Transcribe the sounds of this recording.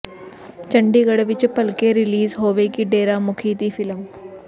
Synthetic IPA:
t͡ʃə̃ɳɖiːɡəɽʋɪt͡ʃpɐlkeɾɪliːzɦoːʋekiɖeːɾamʊkʰiːt̪ifɪlm

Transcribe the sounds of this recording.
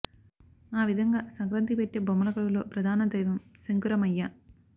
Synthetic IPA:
aːʋid̪ʱɐŋɡaːsɐŋkɾɐnt̪ipeʈːeːbɐmːɐlɐkɐɭɐlo̞̰ːpɾɐd̪ʱaːnɐd̪ejʋɐmsɐŋkuɾɐmɐjːɐ

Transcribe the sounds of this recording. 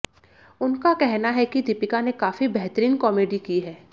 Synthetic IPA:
ʊnkakɛɦnaɦɛkid̪ɪpɪkanekaːfibɛɦt̪əɾiːnkɔːmeːɖikiɦɛː

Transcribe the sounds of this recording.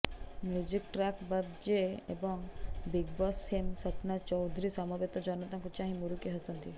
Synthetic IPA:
mjud͡ʒikʈɾakbəbd͡ʒeḛbɔŋbiɡ̚bɔsfʰemsəpnat͡ʃɔwd̪ʱɾisɔmɔbet̪əd͡ʒɔnət̪ãŋkut͡ʃãːɦĩmuɾukeɦəsənt̪i

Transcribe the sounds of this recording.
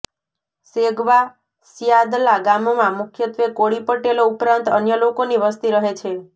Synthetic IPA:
seɡʋa | sjad̪laɡamomãmʊkʰjət̪ʋekoɭipəʈeloupɾãnt̪ənjəlokoniʋəst̪iɾəɦet͡ʃʰe

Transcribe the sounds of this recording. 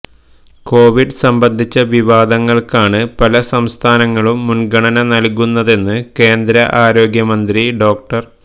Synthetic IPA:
ko̞ːʋiɖɨsɐmbɐnd̪ʱit͡ɕːɐʋiʋaːd̪ɐŋːɐɭkaːɳɨpɐlɐsɐmst̪ʰaːnɐŋːɐɭumːunɡɐɳɐnɐnɐlkunːɐðe̞nːɨke̞ːnd̪ɾɐʔaːɾo̞ːɡjɐmɐnd̪ɾiɖo̞ːk̚ʈɐr

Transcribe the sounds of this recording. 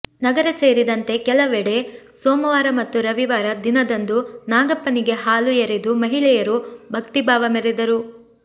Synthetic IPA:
nɐɡɐɾɐse̞ːɾid̪ɐnt̪e̞kɛlɐʋɛɽe̞ | soːmɐʋaːɾɐmɐt̪ːuɾɐʋiʋaːɾɐd̪inɐd̪ɐnd̪unaːɡɐpːɐniɡe̞ɦaːlujeɾed̪umɐɦiɭɛjɐɾubʱɐkt̪ibʱaːʋɐmeɾed̪ɐɾu

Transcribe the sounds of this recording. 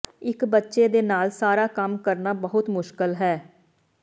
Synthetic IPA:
ɪkbətːʃeːd̪eːnaːlsaːɾaːkəmkəɾnaːbəɦʊt̪mʊʃkəlɦɛː

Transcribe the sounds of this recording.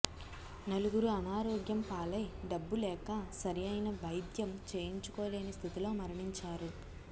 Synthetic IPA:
nɐluɡuɾuɐnaːɾoːɡjɐmpaːlɐjɖɐbːulɛːkɐsɐɾijɐjnɐʋɐjd̪jɐmt͡ʃe̞ːjiɲt͡ʃu̥koːle̞ːnist̪ʰit̪ilo̞ːmɐɾɐɳiɲt͡ʃaːɾu

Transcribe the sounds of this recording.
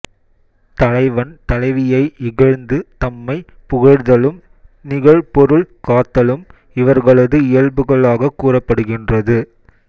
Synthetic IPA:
t̪ɐlɐɪʋɐnt̪ɐlɐɪʋɪjɐɪʔɪɣɐɻnd̪ɯt̪ɐmːɐɪ | pʊɣɐɻðɐlɯm | nɪɣɐɭpɔɾɯɭkaːt̪ːɐlɯm | ɪʋɐɾɣɐɭɐðɯɪjɐɭbɯɣɐɭaːɣɐkːuːrɐpːɐɽɯɣɪndrɐðɯ

